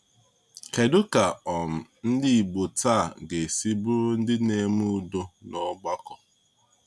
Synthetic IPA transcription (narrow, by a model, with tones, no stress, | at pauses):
ke˨dʊ˦ka˨ɔ˨m̩˨n̩˦di˦i˨bo˨taː˦˨ɡe˨si˦bʊ˦ɾʊ˦n̩˦dɪ˦ne˦mu˦u˦˨do˦nɔ˦ɡ͡ba˦kɔ˨